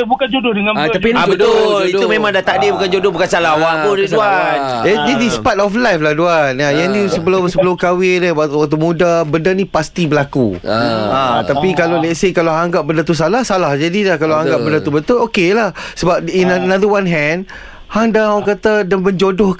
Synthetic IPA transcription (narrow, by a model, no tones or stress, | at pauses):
bukand͡ʒodʊhəŋat̪apibət̪ʊlit̪umẽmãŋdat̪aʔdibukand͡ʒodʊhbukansalawapʊnduanɛdɛdispatɔflajflahduanajaŋnisəbəlʊmsəbəlʊmkawɪnawaʔt̪waʔt̪̬umũdabəndənĩpast̪ibəlakṵ | at̪apikalolɛtsekaloɦaŋɡaʔ̚bəndət̪us̬alahsalahd͡ʒadilahkalaaŋɡaʔbəndət̪ubət̪ʊlokelahsəbap̚inənaðəwanɦɛ̃nd | haŋdaakat̪adaməɲd͡ʒodʊh